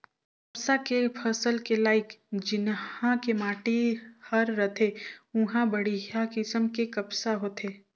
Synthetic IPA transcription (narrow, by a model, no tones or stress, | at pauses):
kɐpsakepʰəsəlkelaːɪkd͡ʒɪnãkemaːʈihɐɾːɐt̪ʰeʊɦãbɐɽijakɪsəmkekɐpsaɦoːt̪ʰeː